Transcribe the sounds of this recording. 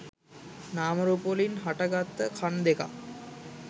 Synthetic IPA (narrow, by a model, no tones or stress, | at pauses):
naːməɾopolinɦaʈəɡat̪ːəkʰand̪eka̰